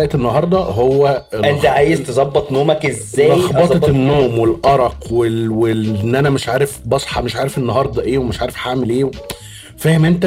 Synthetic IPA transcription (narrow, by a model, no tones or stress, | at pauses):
æʔt̪enːɑɦɑɾˤd̪ˤɑɦowːælʔent̪æʕaːjezt̪ezˤɑbːɑt̪ˤnoːmækezːæːxbɑt̪ˤt̪enːoːmwelʔɑɾˤɑqwewenːʔænæmeʃʕaːɾefbɑsˤħɑmeʃʕaːɾefʔenːɑɦɑɾˤd̪ˤɑʔeːwemeʃʕaːɾefħaʕmelʔeː | fæːhemʔent̪æ